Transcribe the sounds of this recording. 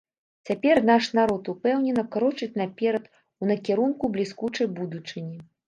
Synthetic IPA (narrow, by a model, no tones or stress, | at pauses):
t͡sʲapʲɛrnaʂnaɾɔt̪upɛwnʲɛnɐkɾɔt͡ʂɨt͡sʲnapʲɛɾɐt̪ | unɐkʲɛɾunkublʲiskut͡ʂɐjbud̪ut͡ʂɨnʲi